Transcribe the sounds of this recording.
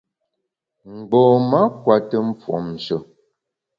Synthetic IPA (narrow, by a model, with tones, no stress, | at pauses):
m̩˨ɡ͡bɔː˨ma˦kwa˨tə˦m˦p͡fwɔ̰˨mn̩˨sə˦˨